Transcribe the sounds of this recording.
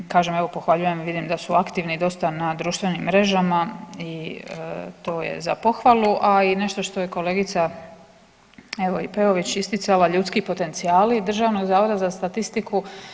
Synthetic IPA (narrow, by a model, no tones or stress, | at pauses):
kaːʒe̞me̞ʋo̞po̞xʋaʎuje̞mʋid̪imd̪asuakt̪iʋnid̪o̞st̪anad̪ɾuːʃt̪ʋe̞nimːɾe̞ʒamai | t̪o̞ːjḛza̰po̞xʋalˠuʔaine̞ʃt̪o̞ʃt̪oje̞ko̞le̞ːɡit̪sa | e̞ʋo̞ipe̞o̞ʋit͡ɕist̪it̪salaʎuːt̪skipo̞t̪e̞nt̪sijaːlid̪r̩ʒaːʋno̞ɡzaːʋo̞d̪azast̪at̪ist̪iku